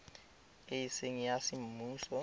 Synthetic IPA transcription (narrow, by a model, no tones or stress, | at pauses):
ejiseŋijasim̩muːsɔ